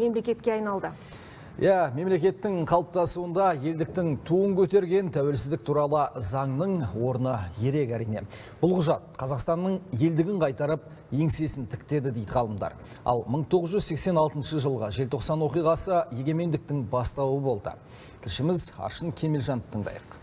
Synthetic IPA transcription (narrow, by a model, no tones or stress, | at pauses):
me̞mle̞kʲe̞t̪kʲeɑjnɑlˠd̪ə | jæme̞mle̞kʲe̞t̪ːɪŋqʰɑlˠəp̚t̪ɑsuənd̪ɑje̞ld̪ɪk̚t̪ɪŋt̪ʰuəŋkʲʰɵt̪e̞ɾɡʲe̞nt̪ʰæwe̞lsɪzd̪ɪk̚t̪ʰuɾɑlˠəzɑɴnəɴwo̞ɾənəje̞ɾe̞kæɾijne̞̰ | b̥ʊlˠqʰʊʒɑt̪̚qʰɑzɑqst̪ɑnːəɴje̞ld̪ɪɡʲɪɴqʰɑjt̪ɑɾəp̚ | je̞ŋse̞sɪnt̪ʰɪ̥kʲt̪e̞d̪ɪd̪ejd̪ɪʁʰɑlˠəmd̪ɑ̰ɾ | ɑ̰lˠməɴt̪ʰo̞ʁəzʒʏzse̞kse̞nɑlˠt̪ənʃəʒəlˠʁəʒe̞lt̪ʰo̞qsɑnwo̞qijʁɑsəje̞ɡʲe̞me̞nd̪ɪk̚t̪ɪŋbɑst̪ɑwəbo̞lˠd̪ə̰ | t̪ʰɪlʃɪmɪzɑ̰ɾʃənkʲʰe̞melʒɑnət̪ʰəɴd̪ɑ̰jəq